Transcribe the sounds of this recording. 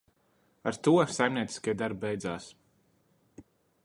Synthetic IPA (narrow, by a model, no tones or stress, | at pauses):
aɾt̪uɔsajmniɛt̪si̥skajd̪aɾbbɛjd̪zaːs